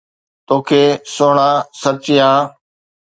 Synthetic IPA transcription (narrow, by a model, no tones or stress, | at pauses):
t̪oːkʰeːsoːɳaːsət͡ʃɪjãː